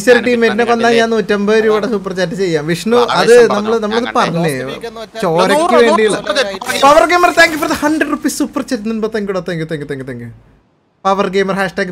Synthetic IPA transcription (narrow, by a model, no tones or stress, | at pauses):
isɐɾʈːiːmetinekːond̪aːjɲaːnːuutːɐmbɐːɾuɽesupːɐrt͡ɕaːt̬ːɨt͡ɕe̞jːaːmʋiʂnuɐðɨnɐmːɐɭnɐmːɐɭɐðɨpɐrɐɲːɨt͡ɕoːɾɐkːɨʋeːɳɖiiɭpɐʋɐrɡeːmɐrt̪aːŋɡɨpoɐðɨhɐnɖrɐɖrupːiːssupːɐrt͡ɕatːɨnːunmbot̪ɐŋɡuɽoːt̪ːɐŋɡut̪aŋɡut̪aŋɡut̪aːŋɡu | pɐʋɐrɡeːmɐrhaːʂʈaːɡ